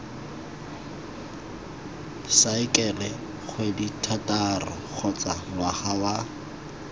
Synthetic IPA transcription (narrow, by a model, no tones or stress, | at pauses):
saɪkʼɛlɛ | χʰweditʰatʼarɔ̰ | k͡xʰɔt͡sʼamwaχawa